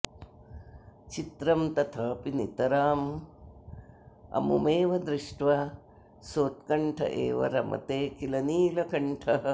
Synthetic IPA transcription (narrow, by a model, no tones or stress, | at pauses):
t͡ʃit̪ɾɐmt̪ɐt̪ʰɐpinit̪ɐɾaːm | ɐ̰mumeːʋɐd̪ɾɪʂʈʋɐ | soːt̪̚kɐɳʈʰɐ̰ʔḛːʋɐ̰ɾɐ̰mɐ̰t̪eːkilɐniːlɐkɐɳʈʰɐɐ